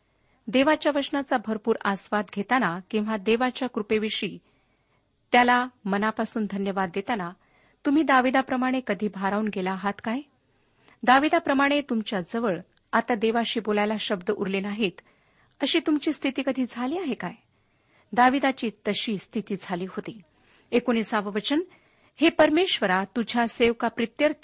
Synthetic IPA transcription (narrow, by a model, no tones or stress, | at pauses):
d̪eʋat͡ɕjaʋəsnat͡sabʱəɾpuːɾasʋat̪ɡʱet̪anakĩw̃ʋad̪eʋat͡ɕjakɾupeʋiʂiː | t̪jalamənapasuːnd̪ʱənjəʋad̪ːet̪ana | t̪um̤iːd̪aʋid̪apɾəmaɽ̃ekəd̪ʱiːbʱaɾaunɡelaːɦat̪kaj | d̪aʋid̪apɾəmaɽ̃et̪umt͡ɕjad͡zəʋəɭ | at̪ad̪eʋaɕiːbolajlaɕəbd̪əʔuɾlenaɦiːt̪ | əɕiːt̪umt͡ɕiːst̪ʰit̪iːkəd̪ʱiːd͡zʱaliːaɦekaj | d̪aʋid̪at͡ɕiːt̪əɕiːst̪ʰit̪iːd͡zʱaliːɦot̪iː | ekoñiːsaʋəʋət͡ɕən | hepəɾmeɕʋəɾat̪ud͡ʑʱaseʋkapɾit̪jəɾ